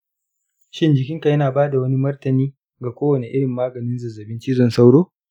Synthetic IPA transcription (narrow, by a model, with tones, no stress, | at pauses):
ʃɪ˦nd͡ʒɪ˨kʲɪ˦ŋka˨jɐ˦naː˨baː˦da˨wɐ˦ni˦mɐ˦rtɐ˨niː˦ | ɡa˨kʷoː˦wɐ˨ne˨ʔɪ˦ɽɪ˨mːaː˦ɡɐ˨nɪ˦nzɐ˨zːɐ˨bɪ˦nt͡ʃiː˦zɔ˦nsa˦wɽoː˦